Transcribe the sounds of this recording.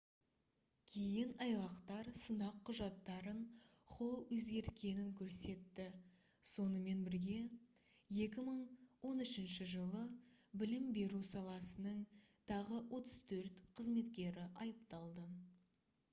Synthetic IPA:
kʲʰejɪnɑjʁɑqt̪ɑɾsənɑqʰːʊʒɑt̪ːɑɾən | χʰo̞lˠwɵzɡʲe̞ɾt̪̚kʲe̞nɪŋkʲʰɵɾse̞t̪ːɪ | so̞nəme̞nbɪɾɡʲe̞ | je̞kʲɪməɴwo̞nʏʃɪnʃɪʒəlˠə | bɪlɪmbe̞ɾusɑlˠɑsənəɴ | t̪ʰɑʁəwʔo̞t̪ə̥z̥t̪ʰɵɾt̪qʰəzme̞t̪kʲe̞ɾɪʔɑjəpt̪ɑlˠd̪ə

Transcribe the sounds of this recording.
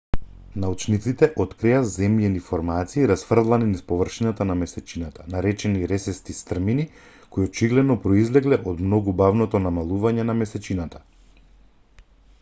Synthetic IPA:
naut͡ʃnit̪sit̪ɛʔɔt̪kɾijazɛmjɛnifoɾmat̪siːɾasfr̩d̪lˠaninispɔvr̩ʃinat̪anamɛsɛt͡ʃinat̪ʰanaɾɛt͡ʃɛniɾɛsɛst̪ist̪r̩mini | koiot͡ʃiɡlɛd̪nɔpɾɔizlɛɡlɛʔod̪mnoɡubavnɔt̪ɔnamalˠuvaɲɛnamɛsɛt͡ʃinat̪ḁ

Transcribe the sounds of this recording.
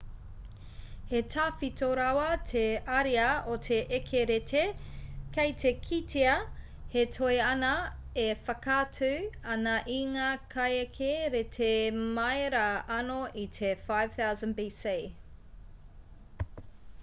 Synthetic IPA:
hetʰaːfitoɾawɐtʰeɐɾiɐotʰeʔekʰeɾetʰekɐjtʰekʰitʰeɐ | hetʰoeɐnɐ | efɐkatʰʉɐnɐʔiŋakʰɐjekʰeɾetʰemɐeɾɐɐnoʔitʰefajv̥θawzə̃nbise

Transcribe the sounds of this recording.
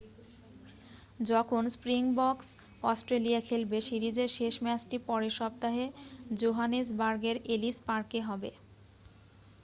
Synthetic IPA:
d͡ʑɔkʰonspɾiŋbɔks | ɔsʈɾelijakʰelbeʃiɾid͡ʑeɾʃeʃmɛsʈipɔɾeʃɔb̚t̪aɦed͡ʑoɦanes̬baɾɡeɾelispaɾkeɦɔbe

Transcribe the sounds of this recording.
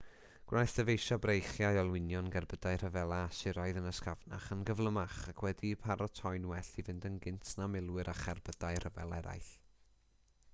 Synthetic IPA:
ɡ̥wʔajθd̥əvejʃabrejχjajɔlˠwɪnjɔnɡɛrbədaɨr̥əvɛlˠasɪɾɔɨðənəskavna̰χənɡəvlˠəmaχakʰwɛdipʰaɾɔtʰɔɨnwɛɬivɪndənɡɪntʰnamɪlˠwɨɾʔaχɛrbədaɨrəvɛ̰lˠɛ̰ɾa̰jɬ

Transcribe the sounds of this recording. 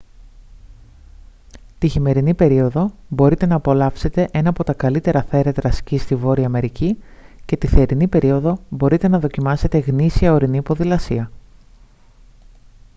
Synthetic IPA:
t̪içime̞ɾinipe̞ɾio̞ðo̞bo̞ɾit̪e̞nɐːpo̞lɐfse̞t̪e̞ʔe̞nɐːpo̞t̪ɐkɐlit̪e̞ɾɐθe̞ɾet̪ɾɐscist̪ivo̞ɾiɐme̞ɾici | ce̞t̪iθeːɾinipe̞ɾio̞ðo̞bo̞ɾit̪e̞nɐðo̞cimɐse̞t̪e̞ɣnisiɐo̞ɾiniːpo̞ðilɐsiɐ

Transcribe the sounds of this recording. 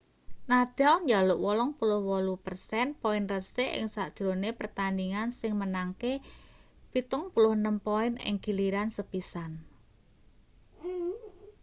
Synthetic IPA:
nad̥a̤lɲd͡ʒalʊʔwɔlɔŋpulʊhwɔlupərsɛnpɔɪnrəseʔɪ̰ŋsaʔd̥ʒ̥ɾonepərt̪aniŋansɪŋmənaŋke | pit̪ʊŋpulʊhnəmpoɪnɪ̰ŋɡiliɾansəpisan

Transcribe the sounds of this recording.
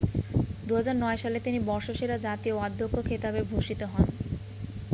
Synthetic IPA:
d̪uɦad͡ʑaɾnɔeʃalet̪inibɔɾʃoʃeɾad͡ʑat̪ioad̪ʱːokːokʰet̪abebʱoʃit̪oɦɔn

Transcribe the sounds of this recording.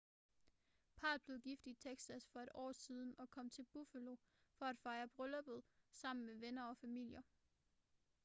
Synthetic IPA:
pʰɑ̈ːlb̥le̝ðˠɡ̥ifd̥it͡sʰeɡ̥sæsfɒ̽e̝ɾ̥ɒ̰ːsiːð̞ˠn̩ɒ̽kʰɒ̽m̰t͡sʰe̝lb̥ufælo̝ | fɒ̽æd̥fɑ̈ɪɐb̥ʁɔlɒb̥ðˠsɑ̈m̰n̩meʋenɐɒ̽fæmil̰jɐ

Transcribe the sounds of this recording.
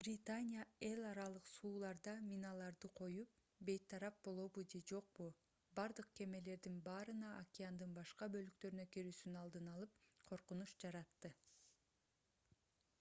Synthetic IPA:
b̥rʲit̪anʲijae̞lˠɑɾɑlˠɯqsuːlˠɑɾd̪ɑmʲinɑlˠɑɾd̪ɯqʰo̞jup̚ | be̞jt̪ʰːɑɾɑp̚bo̞lˠo̞βud͡ʒe̞d͡ʒo̞q̚bu | bɑɾd̪ɯq̚ke̞me̞le̞ɾd̪inbɑːɾɯnɑʔakʲɪand̪ɯnbɑʃqɑbø̞lyk̚t̪ø̞ɾynø̞kiɾyːsynɑlˠd̪ɯnɑlˠɯp̚qʰo̞ɾqunuʃd͡ʒɑɾɑt̪ːɯ

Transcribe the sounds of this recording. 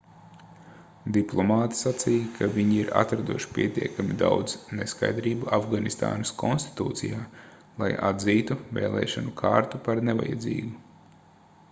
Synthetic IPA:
d̪iplˠɔmaːt̪i̥sat̪siːjkʰaviɲiiɾa̰t̪ɾad̪uʃi̥pʲiɛt̪iɛkamid̪a̰wd̪zneska̰jd̪ɾiːbuʔavɡanist̪a̰ːnɐskʰɔnsʲt̪i̥t̪ṵːt̪sḭjaː | lˠa̰ja̰d̪ziːt̪uvḛːlˠʔɛ̰ːʃanukʰaːɾt̪upaɾneva̰ja̰d̪zḭːɡu

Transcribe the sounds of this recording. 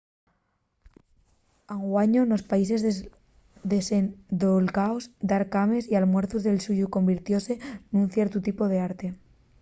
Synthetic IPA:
aŋɡwaɲono̞spaise̞z | d̪esend̪olɣaozd̪aɾkamesialmwe̞ɾθuzðe̞lsuʝuko̞mbiɾt̪jo̞se̞nunθje̞ɾt̪ut̪ipoð̞e̞aɾt̪e̞

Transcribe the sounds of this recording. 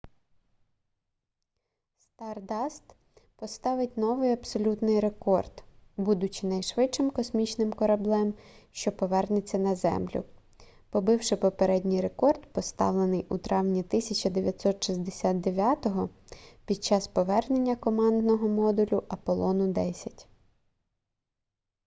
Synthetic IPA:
st̪ɑrd̪ɑst̪ | pɔst̪ɑʋɪtʲnɔʋɪjɐbsɔlʲut̪nɪjɾe̞kɔrd̪bud̪ʊt͡ʃɪnɐjʃʋɪtt͡ʃɪmkɔsmʲit͡ʃnɪmkɔɾɐblˠɛmʃt͡ʃɔpɔʋɛrnet͡sʲːɐnɐzɛ̰mlʲʊ̰ | pɔbɪwʃɪpɔpeɾɛdʲnʲijɾe̞kɔrt̪pɔst̪ɑ̰ʋlˠenɪjʔut̪ɾɑʋnʲit̪ɪsʲɐt͡ʃɐd̪eʋʲjɐt̪sɔt̪ʃizʲd̪esʲat̪̚d̪eʋʲjat̪ɔɦɔpʲid̪̚t͡ʃɑspɔʋɛrne̞nʲːɐkɔmɑnd̪nɔɦɔmɔd̪ʊlʲʊʔɐpɔlˠɔnʊd̪ɛsʲɐtʲ

